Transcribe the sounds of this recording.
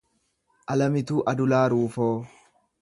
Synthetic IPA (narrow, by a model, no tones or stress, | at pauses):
ʔɐlɐmɪt̪uːʔɐd̪ʊlaːɾuːfoː